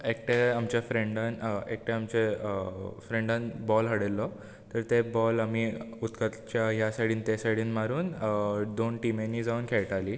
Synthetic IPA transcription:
ek̚ʈeamt͡ɕjafɾẽɳɖanek̚ʈẽamt͡ɕe | fɾẽɳɖãnbɔlɦəɽelːɔ | t̪əɾt̪ebɔlamiut̪kət̪t͡ɕjaɦjasaʈiːnt̪esaʈiːnmaɾuːnd̪onʈimenːiːd͡zauːnkʰeɭʈaliː

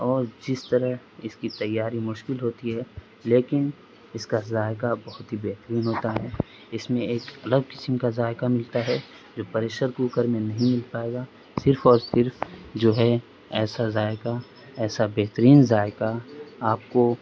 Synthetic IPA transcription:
ɔːɾd͡ʒɪst̪əɾəɦ | ɪskit̪ɐjːaːɾimʊʃkɪlɦoːt̪iɦɛː | leːkɪn | ɪskazaːjkabɐɦʊt̪ɦibeɦt̪əɾiːnɦoːt̪aɦɛː | ɪsmẽeːkɐləɡ̚kɪ̥səmkazaːɪkamɪlt̪aɦɛ | d͡ʒoːpɐɾeːʃəɾkuːkəɾmẽnɐɦĩmɪlpaːeːɡa | sɪɾfʰɔːɾsɪɾfd͡ʒoːɦɛ | ɛːsazaːɪka | ɛːsabeːɦt̪əɾiːnzaːjkaaːp̚ko

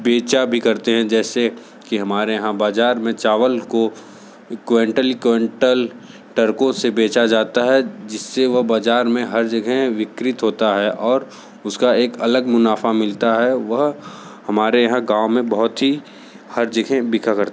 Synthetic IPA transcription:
beːt͡ʃabʱikɐɾt̪eɦɛ̃d͡ʒɛːse | kiɦɐmaːɾejɐɦãbaːd͡ʒaːɾmẽt͡ʃaːʋəlko | kʋẽːɳʈəlikẽːɳʈəl | ʈɐɾkõsebeːt͡ʃad͡ʒaːt̪aɦɛd͡ʒɪsːeʋɐɦbaːd͡ʒaːɾmẽɦɐɾd͡ʒɐɡʱɛʋɪkɾɪt̪ɦoːt̪aɦɛʔɔːɾ | ʊskaeːkɐləɡmʊnaːfamɪlt̪aɦɛʋɐɦ | hɐmaːɾejɐɦãɡãːʋmẽbɐɦʊt̪ɦi | hɐɾd͡ʒəɡʱɛ̃bɪkʰakɐɾt̪

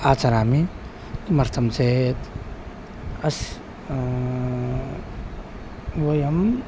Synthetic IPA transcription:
aːt͡sɐɾaːmi | t̪mɐɾt̪ʰɐmt͡set̪ | ɐs | wojɐm

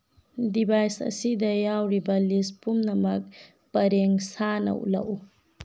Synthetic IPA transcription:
dibʱajsɐ̰sidɐjawɾibɐlispumnɐmɐk̚ | pɐɾeŋsanɐ̰ʔṵlɐ̰ʔu

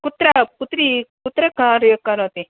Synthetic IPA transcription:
kut̪ɾɐput̪ɾikut̪ɾɐkaɾjəkɐɾot̪i

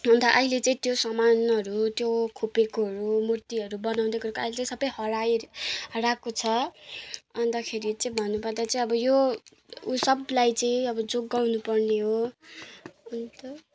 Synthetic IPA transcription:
ɦʌnt̪ʌʔʌɦilet͡sʌĩt̪josʌmanʌɾut̪jokʰupekoɦʌɾumurt̪iʌɾubʌnaw̃d̪ekʌɾukoaɦilet͡saĩsʌbʌjhʌɽajɦʌɾakot͡sʰʌ | ʌnd̪akʰeɾit͡saĩbʱʌnːupʌrd̪at͡saĩʌbʌjo | usʌblajt͡sʌĩʌbʌd͡zoɡːawnupʌrneɦo | ɦʌnt̪ʌ

